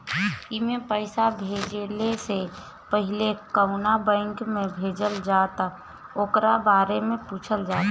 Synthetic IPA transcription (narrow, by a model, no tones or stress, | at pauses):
imẽpəɪsabʱeːd͡ʒlese | pəɦɪlekəʊnabɛ̃ɪŋkmẽbʱeːd͡ʒəld͡ʒaːt̪a | oːkɾabaːɾemẽpuːt͡ʃʰəld͡ʒaːt̪